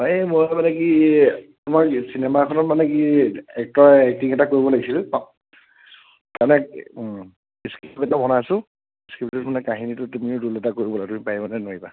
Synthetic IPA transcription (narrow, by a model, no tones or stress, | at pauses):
ɔmojmanɛkitumaɹsinɛmakʰɔnɔtmanɛkiɛk̚tɔaɛk̚tiŋɛtakoɹibɔlaɡisila | tanɛ | iskibɛtabɔnasʊ̃ | iskibtɔtkʰʊnɛkaɦinitʊtumiʊdulɛtakoɹibɔlatumipajmanɛnoɹiba